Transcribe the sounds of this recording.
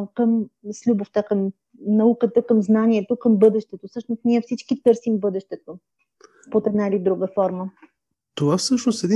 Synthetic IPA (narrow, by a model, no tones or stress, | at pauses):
kəmslʲuboft̪akəm | nɐukət̪əkəmznanʲiɛt̪okəmbɤd̪ɛʃt̪ɛt̪ofsɤʃnost̪nʲiɛfsit͡ʃkit̪ɤɾsimbɤd̪ɛʃt̪ɛt̪o | pot̪ɛd̪nailʲid̪ɾuɡəfɔɾmə | t̪ovafsɤʃnost̪ɛd̪i